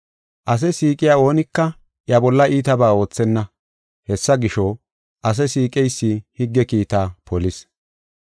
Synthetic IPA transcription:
ʔɐs̬ɛsiːkʼɪjaːo̞ːnɪkːɐ | ʔjɐbɔlːɐʔiːt̪ɐbaːo̞ːt͡sːɛnːɐ | hɛsːɐɡɪʃɔ | ʔɐs̬ɛsiːkʼɛjsːihɪɡːɛkiːt̪aːpʰɔlɪs

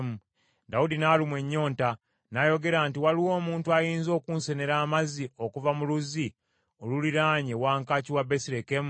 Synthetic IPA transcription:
mu | daudinalimweɲːo̞ːnta | najo̞ɡe̞ɾaːntiwaliwo̞ːmuːntuajiːnzo̞ːkuːnse̞ne̞ɾaːmazio̞kuvamuluzi | oluliɾaːɲewaːŋkaːciwabesiɾekem

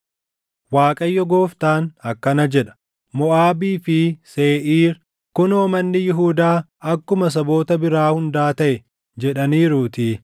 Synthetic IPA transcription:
waːkʼɐjːɔɡoːft̪aːnɐkːɐnɐd͡ʒɛᶑɐ̥ | mɔʔaːbiːfɪseːʔiːɾ | kʊnoːmɐnːɪjɪɦuːd̪aː | ɐkːʊmɐs̬ɐbo̞ːt̪ɐbɪɾaːhʊnd̪aːt̪ɐʔɛ | d͡ʒɛᶑɐniːɾuːt̪ɪ

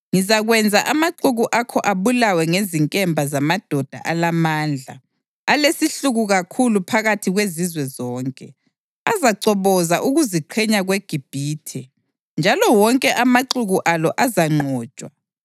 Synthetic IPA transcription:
ŋizaɣwɛnd͡zʱaʔamaǃuɣuʔakʰɔʔaβulawɛŋeziŋkʼɛmbʱazamad̥ʱɔd̥ʱa̰ʔalamaːnd͡ɮʱa̰ | alesiɬuɣuɣakʰulupʰaɣatʰiɣwezizwɛzɔːŋkʼɛ | azaǀɔβɔzaʔuɣuziǃʰɛɲaɣweɡ̥ʱib̥ʱiːtʰɛ | nd͡ʒʱalɔwɔŋkʼɛʔamaǀuɣuʔalɔʔazaŋ͡ǃʱɔːt͡ʃʼwa

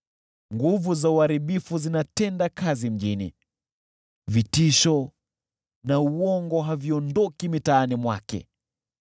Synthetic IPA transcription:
ŋɡuvuzauaɾiɓifuzinatɛndakazim̩ʄinḭ | vitiʃɔ | nauɔŋɡɔɦaviɔndɔkimitaːnimwa̰kɛ̰

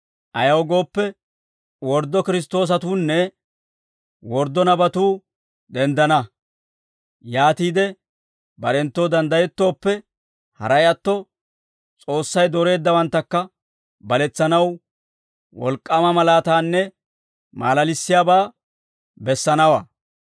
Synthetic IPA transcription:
ʔɐjɐwɔɡo̞ːpːɛ | wɔɾd̪ːɔkɪɾɪs̬t̪o̞ːs̬ɐt̪uːnːɛ | wɔɾd̪ːɔnɐbɐt̪uː | d̪ɛnd̪ɐnɐ | jaːt̪iːd̪ɛ | bɐɗɛnt̪ːoːd̪ɐnd̪ɐjɛt̪ːo̞ːpːɛ | hɐ̰ɾɐjɐt̪ːɔ | t͡sʼo̞ːsːɐjd̪ɔɾe̞ːd̪ːɐwɐnt̪ːɐkːɐ | bɐlɛt͡sːɐnɐw | wɔ̰lkʼːɐmɐmɐlaːt̪aːnːɛ | ma̰ːlɐlɪsːɪjaːbaː | bɛsːɐnɐwa̰ː

